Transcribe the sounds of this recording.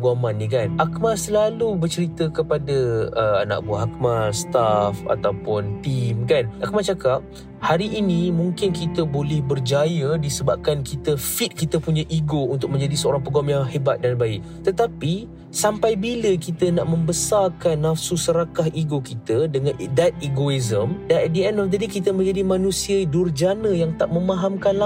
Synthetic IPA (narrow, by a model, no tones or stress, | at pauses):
ɡamanːikanʔakmasəlalubərt͡ʃəɾit̪əkəpadəəa̰na̰ʔ̚buaɦakmast̪afa̰t̪awpʊnt̪imkanʔak̚mat͡ʃakap̚ | haɾiʔːnĩmuŋkɪnkit̪əbolɛhbərd͡ʒajədisəbap̚kankit̪əfit̪̚kit̪əpuɲaʔiɡount̪ʊk̚mə̃ɲd͡ʒadisəoɾaŋpəɡɔmjaŋɦəbat̪̚danbaɪʔ̚t̪ət̪api | sampajbiləkit̪ənaʔmə̃mbəsarkanːafsusəɾakaɦiɡokit̪ədəŋãndat̪̚iɡoizəmdanɛt̪̚dəɛndɔfd̪ədikit̪əmə̃ɲd͡ʒadimãnũsiədurd͡ʒanə̃jaŋt̪aʔmə̃mãɦamkanla